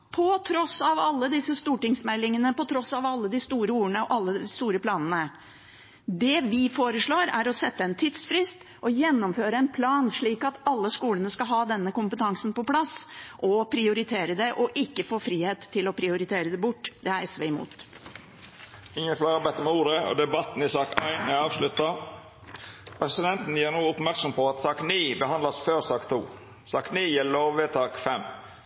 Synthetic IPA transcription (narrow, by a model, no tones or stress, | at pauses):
pʰɔt̪ʰɾɔsɑʋɑlːəd̪ɪsːəst̪uːʈɪŋsmɛlːɪŋənəpɔt̪ʰɾɔsɑʋɑlːəd̪ɪst̪uːɾəuːəɳəɔʔɑlːəd̪ɪst̪uːɾəpʰlɑːnənə | d̪ɛʋɪfoːɾəʂɭoːɾæ̰ɾɔsɛt̪ːəɛnt̪ʰiːd̪sfɾɪst̪ | ʔɔjɛnːɔmføːɾəɛnpʰlɑːnʂɭiːkɑt̪ɑlːəskuːlənəskɑlɦɑːd̪ɛnːəkʊmpət̪ʰɑŋsn̩pɔpʰlɑsʔɔpʰɾɪʊɾɪt̪ʰeːɾəd̪ɛʔɔʔɪkːəfoːfɾiːheːt̪ʰːɪlɔpʰɾɪʊɾɪt̪ʰeːɾəd̪ɛbʊʈːd̪ɛæɾɛsʋɛɪmṵːt̪ | ɪŋːənkʰlɑːɾɾbɛt̪ːəmɛuːɾəɔ̰d̪ɛbɑt̪ːn̩ɪsɑːkæɪnæɑːʋʂlʉt̪ːɑ | pʰɾɛsɪd̪ɛnt̪n̩jæːɾnuːɔpmæɾksɔmpɔɑt̪sɑːkniːbəhɑnd̪lɑsføːɾsɑːkt̪ʰṵː | sɑːkniːjiːloːʋʋɛt̪ʰɑːkfɛmː